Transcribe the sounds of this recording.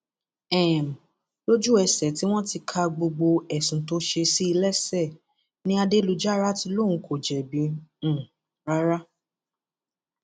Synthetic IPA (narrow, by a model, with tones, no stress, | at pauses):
ɛ˦˨m˨ | lo˦d͡ʒu˦˨ɛ˧sɛ˨ti˦w̃ɔ̃˦ti˧kʰa˧ɡ͡bo˧ɡ͡bo˧ɛ˨sũ˨to˧˦ʃe˧si˦i˧lɛ˦sɛ˦˨ | nĩ˦a˧de˦lu˧d͡ʒa˦ɾa˦ti˧lo˦˨ũ˨˦kʰo˨d͡ʒɛ˨bĩ˨˦˨ | ɾa˦ɾa˦